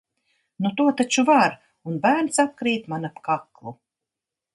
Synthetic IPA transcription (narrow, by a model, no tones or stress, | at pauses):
nut̪uɔt̪at͡ʃuvaɾ | unbæːɾnsap̚kɾiːt̪manapkaklˠu